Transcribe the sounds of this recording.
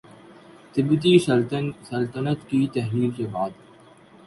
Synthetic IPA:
t̪ɪbt̪̬iʃsɐlt̪ənət̪kit̪ɛɦɾiːlsebaːd̪

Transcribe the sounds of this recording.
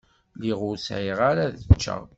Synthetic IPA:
liʁʊɾsʕiʁaɾaðt͡ʃːə̰ʁ

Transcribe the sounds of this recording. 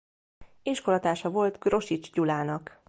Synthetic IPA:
iʃko̞lɒt̪aːʃɒvo̞lt̪ɡro̞ʃit͡ʃɟulaːnɒk

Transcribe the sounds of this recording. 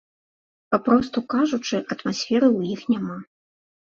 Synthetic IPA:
papɾɔst̪ukaʐut͡ʂɨʔɐt̪masʲfʲɛɾɨwjixnʲama

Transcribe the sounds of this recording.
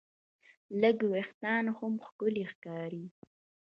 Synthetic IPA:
ləɡwext̪ɑnhʊmxkʊlixkɑːɾi

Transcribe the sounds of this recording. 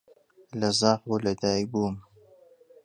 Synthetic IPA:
lɐzɑːqbulɐd̪aːibuːm

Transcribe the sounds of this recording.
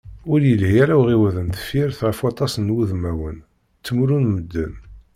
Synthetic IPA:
ʊɾjəlhijæɾawʁiwæðənθə̥fiɾθʁəfwɑt̪ˤɑsənwuðmæwən | t͡sːəmɾunməd̪ːə̰n

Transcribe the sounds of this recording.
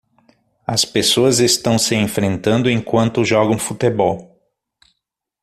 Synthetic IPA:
ɐspesoɐzest̪ɐ̃w̃sɪẽfɾẽnt̪ɐ̃nd̪ʊẽŋkwɐ̃nt̪ʊʒɔɡɐ̃w̃fut̪ebɔw

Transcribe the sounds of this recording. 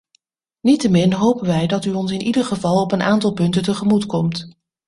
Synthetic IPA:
nitəmɪnɦowpənʋɛjdɑtyɔnsɪnʔidəɹχəvɑlˠɔpənʔaːntɑlˠpɵntəntəχəmutkɔmt

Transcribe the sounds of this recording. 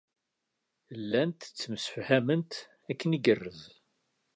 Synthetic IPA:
lːænt̪t͡sːəmsə̥fhæmənt̪ | ækːəniɡərːəz

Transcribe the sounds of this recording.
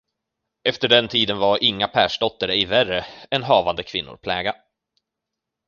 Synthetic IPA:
ɛft̪əɖɛnt̪ʰiːd̪ənvaɾʔɪŋːapʰæːʂɖɔt̪ːaɾəɪværəɛnɦɑːvand̪əkʰvɪnːʊ̰ɾpʰlɛːɡa

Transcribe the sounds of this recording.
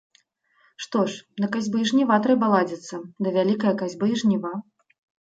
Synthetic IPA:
ʂt̪ɔʂnɐkazʲbɨiʐnʲivat̪ɾɛbɐlˠad͡zʲɛt̪sːɐd̪ɐvʲalʲikɐjɐkazʲbɨiʐnʲiva

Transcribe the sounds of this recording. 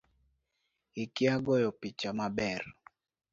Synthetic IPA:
ɪkɪaɡɔjɔpit͡ʃamabɛr

